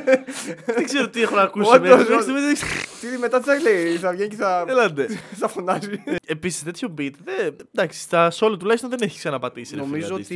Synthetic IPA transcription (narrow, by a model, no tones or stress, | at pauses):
eɡzeɾot̪iexonɐkusomest̪imeist̪iðimet̪ɐt̪isɐɣleiθɐvʝenceθɐelɐd̪esɐfonɐziepisi̥st̪et̪ʰçobit̪ðed̪ɐksi̥st̪ɐsolɐt̪ulɐjst̪onðeneçi̥ksɐnɐpɐt̪isielenomizoost̪i